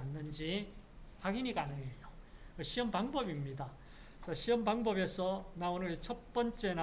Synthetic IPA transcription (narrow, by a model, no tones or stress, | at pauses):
nːɯnd͡ʑihaɡiniɡanɯejo | kʌɕʰiʌmpaŋbʌbimɲida | sʰʌɕʰiʌmbaŋbʌbe̞sʰʌnaonɯɾet͡ɕʰʌt̚p͈ʌnt͡ɕ͈e̞na